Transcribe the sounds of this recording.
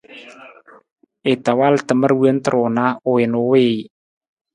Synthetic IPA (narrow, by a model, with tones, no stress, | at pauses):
ɪ˨t̪a˨wa˦lt̪ə˨mə˦ɾwu˦ə˦n˦t̪ə˨ɾo˨na˦ʊ˨ɪ˨nʊ˨˦wɪː˦˨